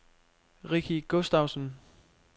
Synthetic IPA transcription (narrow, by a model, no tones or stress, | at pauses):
ʁikʰiɡ̥osd̥äʊsən